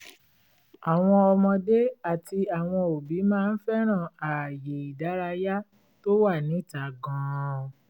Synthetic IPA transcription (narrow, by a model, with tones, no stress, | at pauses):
a˨w̃ɔ̃˧ɔ˧mɔ̃˧de˦a˨ti˧a˨w̃ɔ̃˧o˨bi˨˦mãː˦˧n̩˦fɛ˦ɾ̃ã˦˨a˨je˨i˨da˨˦ɾa˧ja˦ | to˦wa˦˨nĩ˨˦˨ta˨ɡɔ̃˨˧